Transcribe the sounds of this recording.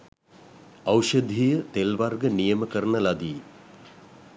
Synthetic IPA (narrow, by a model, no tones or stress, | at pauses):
awʃəd̪ʱijət̪elʋarɡənijəməkəɾənəlad̪iː